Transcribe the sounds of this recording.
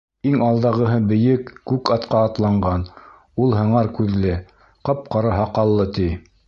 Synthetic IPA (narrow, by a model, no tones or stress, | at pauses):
iŋɑlˠd̪ɑʁɤ̆ɦɤbɘ̆jɘkːʉkɑt̪qɑːt̪lˠɑɴɢɑn | ulˠɦɤ̆ɴɑɾkʉðlɘ | qɤp̚qɑɾɑɦɑqɑlˠːɤt̪i